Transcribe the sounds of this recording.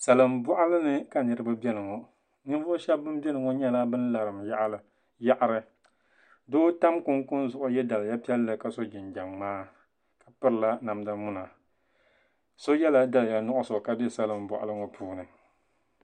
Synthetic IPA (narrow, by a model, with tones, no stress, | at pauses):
sa˨lɨ˨mbɔ˦ʔa˦lɨ˦nɨ˦ka˨nɨ˨ɾɨ˦ba˦bɛ˦nɨ˨ŋɔ˨ | nɨ˦n˦vʊ˦ʊ˦ʃɛ˦bːɨ˦mbɛ˦nɨ˨ŋɔ˦ɲɛ˦la˦bɨ˦n˦la˨ɾɨ˨mja˦ʔa˦lɨ˨ | ja˦ʔa˨ɾɨ˦ | doː˦ta˦mkʊ˦ŋkʊ˦nzʊ˨ʔʊ˦jɛ˦da˨lɨ˨ja˦pi˦ɛ˦lːɨ˨ka˨so˦d͡ʒɪ˨nd͡ʒa˨ŋːaː˦ | ka˨pɨ˦ɾɨ˦la˦na˨mda˦mu˦na˨ | so˦jɛ˦la˦da˨lja˦nʊ˦ʔʊ˦so˨ka˦dɨ˦sa˨lɨ˨mbɔ̰˨ʔa̰˨lɨ˦ŋɔ˨pʰuː˦nɨ˨